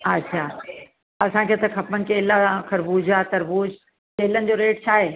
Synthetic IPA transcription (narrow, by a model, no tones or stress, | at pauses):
ɐtːʃʰaː | ɐsãkʰeːt̪ɐkʰɐpənɪ̆keːlaãkʰɐɾbuːd͡ʑaːt̪ɐɾbuːd͡ʑ | keːlənɪ̆d͡ʑoːɾeːʈ̚t͡ɕʰaːɦeː